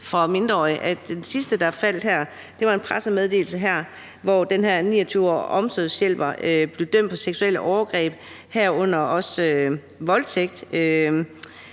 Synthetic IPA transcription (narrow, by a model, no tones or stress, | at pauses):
fʁɑ̈me̝nd̥ʁɐɒ̰ʔæd̥ensisd̥əd̥ɑ̈fæl̰d̥ɦæɐ̰ | d̥e̝ʋɑ̈e̝npʰʁasəmeð̞ˠd̥e̝̰ːl̩səɦæɐ̰ | ʋɒd̥enɦæɐ̰nḭːɐt͡sʰyːʊɒ̰ʔɒ̽msøðˠsjel̰b̥ɐøb̥le̝ʊd̥øm̰d̥̚pʰɒ̽seɡ̥sueləʔɒʊɐɡ̥ʁɛ̰ːb̥ | hæɐ̰ɔ̽n̰ɐʔɒ̽sø | ʋɒ̽lt͡sʰeɡ̥̚d̥ø